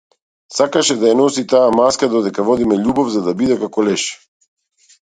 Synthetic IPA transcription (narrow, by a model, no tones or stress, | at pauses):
sakaʃɛd̪ajanɔsit̪aamaskad̪ɔd̪ɛkavɔd̪imɛʎubɔvzad̪abid̪ɛkakɔlɛʃ